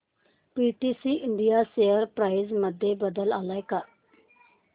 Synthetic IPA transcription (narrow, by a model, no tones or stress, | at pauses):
piːʈiːsiːʔɪɳɖijaːseːəɾpɾaːizməd̪ːeːbəd̪əlaːlaːekəɾ